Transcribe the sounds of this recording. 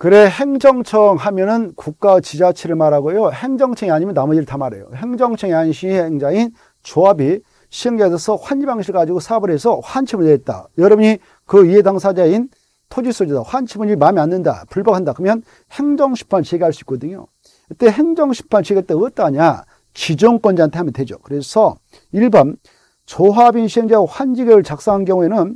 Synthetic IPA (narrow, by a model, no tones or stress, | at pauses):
kɯɾe̞he̞ŋd͡ʑʌŋt͡ɕʰʌŋɦamjʌnɯnkuk̚k͈at͡ɕid͡ʑat͡ɕʰiɾɯɭmaɾɦaɡojohe̞ŋd͡ʑʌŋt͡ɕʰʌŋiaɲimjʌnːamʌd͡ʑiɾɭtʰamaɾe̞̰jo̰he̞ŋd͡ʑʌŋt͡ɕʰʌŋiaɲɕʰieeŋd͡ʑain | t͡ɕoabi | ɕʰiɯŋɡesʰʌsʰʌɸwand͡ʑibaŋɕʰiɾɭɡad͡ʑiɡosʰabɯɾɦe̞sʰʌɸwant͡ɕʰibɯneet̚t͈a̰jʌɾʌbuɲi | kɯiɦedaŋsʰad͡ʑain | tʰod͡ʑis͈od͡ʑidawant͡ɕʰibɯnd͡ʑimamianːɯnda̰puɭbʌkʰandakɯmjʌn | he̞ŋd͡ʑʌŋɕʰi̥pʰanɭt͡ɕeɡiɦaɭs͈uik͈ʌdɯɲo̰ | it͈e̞ɦe̞ŋd͡ʑʌŋɕʰi̥pʰant͡ɕeɡeɭt͈eɯʌt͈aːɲa | t͡ɕid͡ʑʌŋk͈wʌnd͡ʑeantʰeamjʌndwe̞d͡ʑo̰kɯɾesʰʌ | iɭban | t͡ɕoɦabinɕʰieŋd͡ʑaoɸwand͡ʑiɡeɾɯɭt͡ɕak̚s͈aŋɦanɡjʌŋue̞nɯn